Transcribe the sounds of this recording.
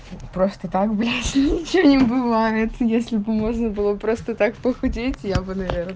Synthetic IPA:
pɾo̞st̪ət̪akblʲæsʲmʲɪt͡ɕɪonʲɪbɨvajɪt̪jesʲlʲɪbɨmo̞ʐnəbɨlˠəpɾo̞st̪ət̪ak̚pəxʊdʲetʲjabɨnɐvʲe̞rnə

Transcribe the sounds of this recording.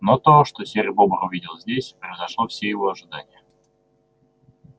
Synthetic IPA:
not̪oʂt̪osʲerʲbobɾʊvʲidʲɪlˠzʲdʲesʲpɾəɪzɐʂlˠofsʲejɪvoɐʐɨd̪anʲɪjə

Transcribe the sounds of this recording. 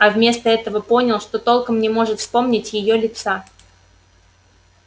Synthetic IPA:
ɐvmʲe̞st̪əɛt̪əvəpo̞nʲɪlˠʂt̪o̞t̪o̞lˠkəmnʲɪmo̞ʐɨt̪fspo̞mnʲɪtʲjɪjolʲɪt̪sa

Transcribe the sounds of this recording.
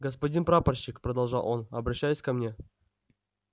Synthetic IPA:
ɡəspɐdʲinpɾapɐrɕːɪkpɾɐd̪ɐlˠʐɑlˠo̞nɐbɾɐɕːæjʊsʲkɐmnʲe̞

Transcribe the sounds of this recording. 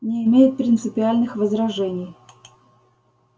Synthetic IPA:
nʲɪɪmʲejɪt̪̚pɾʲɪnt̪sɨpʲɪalʲnɨxvəzɾɐʐɛnʲɪj

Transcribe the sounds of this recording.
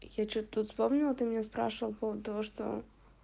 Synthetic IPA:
jat͡ɕut̪ːut̪spɔmnʲɪlˠɐt̪ɨmʲnʲɛspɾa̰ʂɨvɐlˠpɔlˠt̪ɐvɔʂt̪ɔ̰

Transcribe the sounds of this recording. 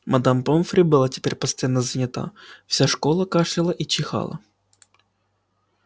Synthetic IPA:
mɐd̪ampɔnfɾʲɪbɨlˠatʲɪ̥pʲeɾʲpɐst̪ɐjanːɐzɐnʲɪt̪a̰fsʲaʂkɔlˠɐkaʂlʲɪlˠɐʔit͡ɕɪxɑ̰lˠɐ̰

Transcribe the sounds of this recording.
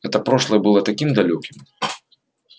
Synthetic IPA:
ɛt̪ɐpɾɔʂlˠɐjbɨlˠɐt̪akʲimd̪alʲɔkʲim

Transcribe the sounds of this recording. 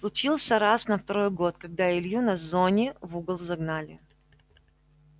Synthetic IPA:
slˠʊt͡ɕilˠsʲəɾasnɐft̪ɐɾojɡo̞t̪̚kɐɡ̚d̪aɪlʲjunɐzonʲɪvuɡlˠzɐɡnalʲɪ

